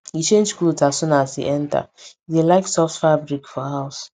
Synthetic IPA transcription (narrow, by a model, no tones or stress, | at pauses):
jit͡ʃẽnd͡ʒkutasũnasḭʔɛ̃nta̰delaɪksɔftfabɾikfɔhaʊs